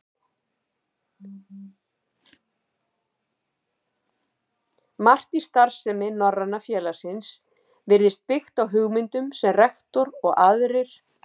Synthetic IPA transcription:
mar̥t̪ist̪aɾ̥sɛmɪnɔrːanːafjɛːlḁsɪns | vɪɾðɪst̪̚pɪxt̪awɦʏɣmɪnt̪ʏmsɛmrɛxt̪ɔɾɔɣaðɾɪɾ̥

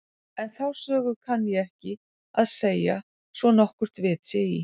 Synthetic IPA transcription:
ɛnθawsœːɣʏkʰanːjɛɣɛhcɪ | aðseːja | svɔnɔhkvʏɾ̥t̪vɪːt̪sɛi

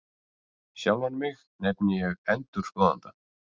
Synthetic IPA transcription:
ɕjawnanmɪɣ | nɛpnɪjɛɣɛnt̪ʏɾ̥skɔːða̰nt̪a

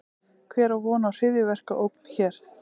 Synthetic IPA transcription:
kʰvɛːɾawvɔːnaːwr̥ɪðjʏvɛr̥kaʔowkn̥çɛːɾ̥

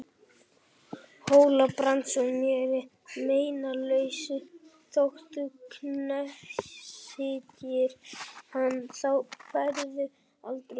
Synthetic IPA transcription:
hoːwlapɾant̪sɔmjɛːɾɪ | meːjnalœɥsʏt̪ʰoxt̪ʏkʰnɛsɪːt̪jɪɾ̥hanθawpaɾðʏ | alt̪ɾe

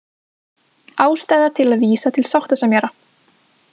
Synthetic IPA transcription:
aːwst̪aːjðat̪ʰɪlaðviːsat̪ʰɪlsawht̪asamjɛːɾa

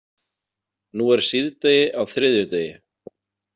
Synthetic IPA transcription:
nuɛɾ̥siðt̪eːjɪʔawθɾɪðjʏt̪eːjɪ

